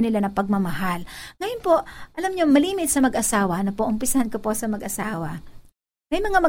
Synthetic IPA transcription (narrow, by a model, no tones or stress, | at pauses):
nɪlanɐpɐɡ̚mɐmɐɦalŋɐjonpo̞ʔʔɐlamɲomɐliːmɪt̪̚sɐmɐɡʔɐsaːwɐnɐpoʔʊmpɪsɐhankoposɐmɐɡʔɐsaːwɐ | mɐjmɐŋamɐ